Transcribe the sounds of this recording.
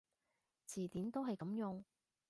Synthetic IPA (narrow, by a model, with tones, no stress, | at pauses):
t͡sʰiː˨˩t̪iː˨˥nt̪o˥wɦɐ˨jkɐ˨˥mjʊ˨˧ŋ